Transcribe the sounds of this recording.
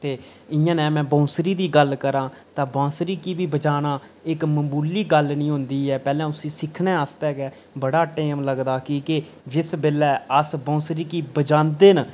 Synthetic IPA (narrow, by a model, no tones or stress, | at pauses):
t̪eː | ɪjãːnɛ̃ːmɛ̃ːbɔ̃ːsɾiːd̪iːɡəlkəɾãːt̪ãːbãːsɾiːkiːbiːbəd͡ʒaːnaː | ɪkməmbuːliːɡəlnĩːɦʊ̃nd̪iːɦɛːpɛːlɛ̃ːʊsĩːsɪkʰnɛːəst̪ɛːɡɛː | bəɽaːʈeːmləɡd̪aːkiːkɪ | d͡ʒɪsbɪlɛːəsbɔ̃ːsɾiːkiːbəd͡ʒãːnd̪eːn